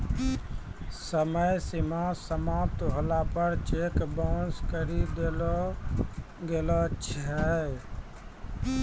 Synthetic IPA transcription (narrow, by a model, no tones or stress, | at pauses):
səməjsimãsəmap̚t̪ɦolapəɾt͡ʃekbɔnskəɾid̪elɔ | ɡelɔt͡ʃʰɛ